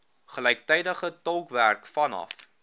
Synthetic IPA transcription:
χəlɛjk̚tɛjdəχətɔlˠkværkfɐnɐ̰f

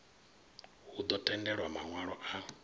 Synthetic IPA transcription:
hud̪ɔtɛndɛɺwamaŋwaɺɔʔa

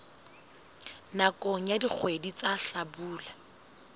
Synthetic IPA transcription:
nakʼɔŋ̩jadik͡xʰwedit͡saɬabuːla

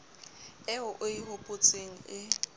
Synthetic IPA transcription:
ɛʊʔʊiɦopʼʊt͡sʼeŋ̩ɪ

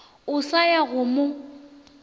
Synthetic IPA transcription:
ʊsajaɣʊmʊ

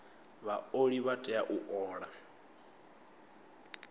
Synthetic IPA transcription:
βaoɺiβatʼɛjaʔuʔɔːɺa

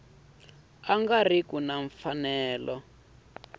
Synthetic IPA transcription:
aŋɡar̤ikunaɱfanɛːlɔ

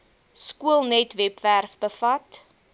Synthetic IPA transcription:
skuəlˠnɛtvɛpværfbəfɐt

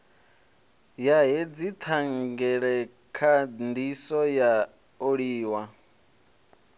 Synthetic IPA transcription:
jaɦed͡zit̪ʰaŋɡɛɺɛ | kʰandisɔja | oɺiːwa

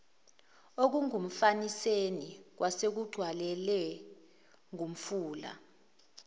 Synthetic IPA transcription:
ok̬uŋum̩fanisenik̬wʔasek̬uɡ͡ǀʱwalɛlɛ | ŋʱum̩fuːla̰

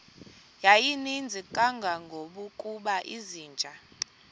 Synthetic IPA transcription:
jajinind͡zʱikʼaŋɡʱaŋɡʱoɓukʼuɓaʔiziːnd͡ʒʱa

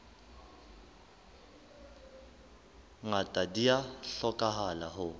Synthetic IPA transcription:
ŋatʼadijaɬɔkʼaɦalahʊ

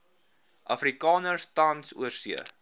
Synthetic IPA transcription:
ʔɐfrikɑːnərstɐnsṵərsiə̰

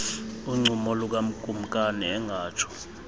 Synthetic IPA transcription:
uŋ͡ǀumɔluk̬am̩kʼum̩kʼanɛɛŋʱaːt͡ʃʰɔ̥

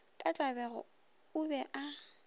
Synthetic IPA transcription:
kʼat͡ɬʼabɛɣʊ̰ | ʊbɛʔa

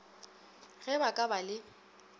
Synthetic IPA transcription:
ɣɛbakʼabalɪ

